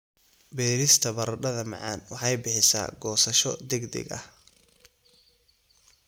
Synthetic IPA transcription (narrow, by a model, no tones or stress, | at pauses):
bɛːɾɪst̪ʰɐbɐɾɐɖɐðɐmɑ̰ʕɑ̰ːnwɑħɑjbɪħɪsa̰ːɡɔːsɐʃɔd̪ɛɡd̪ɛ̰ɡɐ̰h